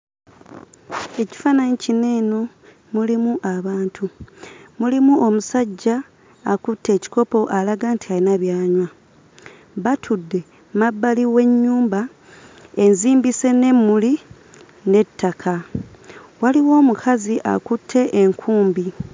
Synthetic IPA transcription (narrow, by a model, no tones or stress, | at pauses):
e̞ci̥fanaɲicine̞ːno̞ | mulimuʔaβaːntʰumulimuo̞musaɟːaː | kutʰːe̞ːci̥ko̞po̞ʔalaɡaːntialinaβjaːɲwa | βatʰudːe̞ | mabːaliwe̞ɲːuːmba | e̞nziːmbise̞ne̞mːuli | ne̞tʰːakʰa | waliwo̞ːmukʰaziʔa̰kutʰːe̞ʔeŋkʰuːmbi